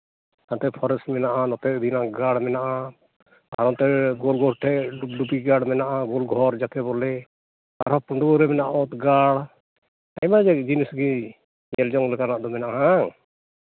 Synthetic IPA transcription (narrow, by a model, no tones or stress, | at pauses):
k̪ant̪ɛpʰɔɾɛsmɛnaʔanɔt̪ɛd̪inaɡaɽmɛnaʔa | a̰ɾɔt̪ɛɡɔlɡʱɔɾʈʰɛʔɖuɖupiɡaɽmɛnaʔaɡɔlɡʱɔɾd͡ʒakɛbɔlɛ | t̪a̰ɾɔpuɳɖuɡɔɾɛmɛnaʔɔt̪ɡaɽ | a̰jmad͡ʒɛd͡ʒinisɡi | ɲɛld͡ʒɔŋlɛkanaʔd̪ɔmɛnaʔaɦaŋ